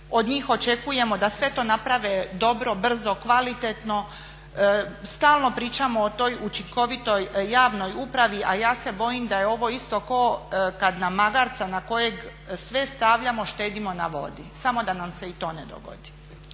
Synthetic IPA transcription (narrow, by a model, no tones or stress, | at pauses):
o̞d̪ɲiːxo̞t͡ʃe̞kuje̞mo̞d̪asʋe̞t̪o̞ːnapɾaʋed̪o̞bɾo̞br̩zo̞kʋalit̪et̪no̞ | st̪aːlˠno̞pɾiːt͡ʃamo̞ːt̪o̞jut͡ʃiŋko̞ʋit̪o̞jːaːʋno̞jupɾaʋiʔajaːse̞bo̞jimd̪ajeo̞ʋo̞ist̪o̞ko̞ːkad̪namːaɡaɾt̪sanako̞je̞ɡ | sʋe̞st̪aʋʎamo̞ʃt̪eːd̪imo̞na̰ʋo̞̰d̪isamo̞d̪anamse̞it̪o̞̰ːned̪o̰ɡo̰d̪i̥